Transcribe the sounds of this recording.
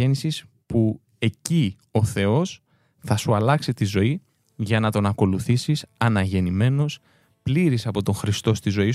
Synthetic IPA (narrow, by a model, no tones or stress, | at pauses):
enisis | pu | e̞ci | o̞θe̞o̞s | θɐsuɐlɐksit̪izo̞i | ʝɐnɐt̪o̞nɐko̞luθisisɐnɐʝe̞nime̞no̞s | pliɾisɐpo̞t̪o̞ŋxɾist̪o̞st̪izo̞i